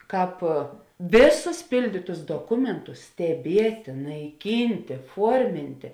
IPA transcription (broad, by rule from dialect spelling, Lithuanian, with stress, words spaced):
ˈkɑːp ˈʋʲeːˌsʊs ˈpʲɪlʲdʲiːtʊs doːˈkʊmʲɛntʊs sʲtʲɛˈbʲiɛtʲeː nɐɪˈkʲiːnʲtʲeː ˈfuɔrʲmʲɪnʲtʲeː